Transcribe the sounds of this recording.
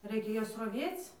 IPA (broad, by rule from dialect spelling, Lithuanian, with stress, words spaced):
ˈrɐɪkʲɛ ˈjuɔs rɐˈʋʲeːt͡s